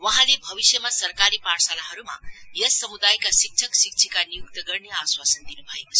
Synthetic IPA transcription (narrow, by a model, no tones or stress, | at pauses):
wʌɦãlebʱʌβisjʌmasʌrkaɾipaɽsalaɦʌɾuma̰jʌsʌmud̪ajkasik̚t͡ʃʰʌksik̚t͡sʰikanijuk̚t̪ʌɡʌrneaswasənd̪inubʱʌjekot͡sʰ